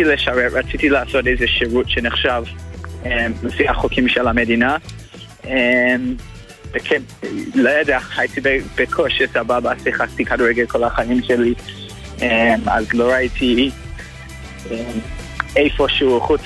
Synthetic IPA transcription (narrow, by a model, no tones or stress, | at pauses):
tileʃaɾeɹat͡sitilaaːsotejzeʃiʁutʃeneχʃavemlefiaχokʰimʃelamedina | ʔem | b̥ekʰelojadeaaitibeb̥ekʰoʃesababasiχak̚tikaduʁeɡelkʰolaχaimʃeli | ʔema̰zloɾaitʰi | em | ejfoʃeuχut͡s